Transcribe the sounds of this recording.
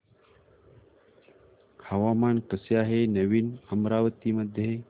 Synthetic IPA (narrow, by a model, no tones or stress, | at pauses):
hɐʋaːmaːnkɐsjaːɦenɐʋiːnɐmɾaːʋət̪iːmɐd̪ʱjɐɦe